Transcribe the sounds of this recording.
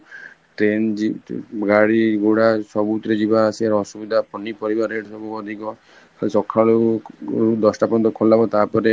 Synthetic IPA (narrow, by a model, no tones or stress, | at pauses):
ʈɾend͡ʒiɡaɽiɡuɽasɔbut̪ɔɾed͡ʒibaːsiaɾɔsubid̪ʱapɔnipɔɾibaɾeɖsɔbuɔd̪ʱikɔ | sɔkʰːaɭuɾud̪ɔsʈapɔnt̪ɔkʰolabɔt̪apɔɾe